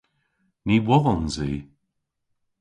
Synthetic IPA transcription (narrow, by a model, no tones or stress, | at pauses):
niːwɔðɔnziː